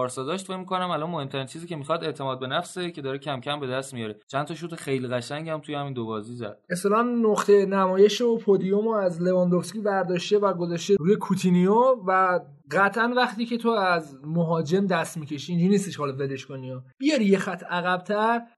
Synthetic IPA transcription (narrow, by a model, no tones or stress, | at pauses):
ɒːɾsɒːd̪ɒʃt̪fecmikonæmælɒnmohemt̪ʰæɾint͡ʃʰiːziːcʰe̞mixɒd̪e̞ʔt̪ʰe̞mɒːd̪̚be̞næfsecʰe̞d̪ɒːɾecʰæmcʰæmbe̞d̪æst̪mijɒːɾet͡ʃʰænt̪ʰɒʃut̪exejliɣæʃæŋɟæmt̪ʰujehæmiːnd̪obɒːzizæ̰d̪̥eslɒnnoχt̪ʰe̞næmɒːje̞ʃopʰod̪ijomoæzle̞vɒnd̪ofskʲivæɾd̪ɒːʃt̪evæɡo̞zɒːʃt̪eɾuːjekʰut̪ʰiniovæ | ɢæt̪ʰʔænvæχt̪iːcʰe̞t̪ʰoæzmoɦɒːd͡ʒe̞md̪æst̪miːcʰe̞ʃiːnd͡ʒunist̪iʃhɒːleveleʃkoniɒb̥ijɒɾijexæt̪ʰæɣæb̚t̪ʰæɾ